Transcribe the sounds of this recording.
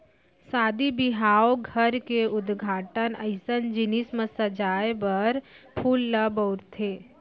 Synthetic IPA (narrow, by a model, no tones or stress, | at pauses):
saːd̪ibɪɦaːoɡʱəɾkeʊd̪ɡʱaːʈənəɪsənd͡ʒɪnismə̃səd͡ʒaːjbɐɾ | pʰuːlːəbəɾt̪ʰeː